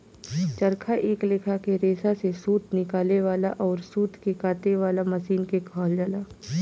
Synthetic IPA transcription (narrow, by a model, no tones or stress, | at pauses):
t͡ʃɐɾkʰaʔeːklekʰakeɾeːsasesuːt̪nɪkaːleʋaːlaʔɔːɾsuːt̪ʰkekaːt̪eʋaːlamɐsiːnkekʰaːld͡ʒaːlaː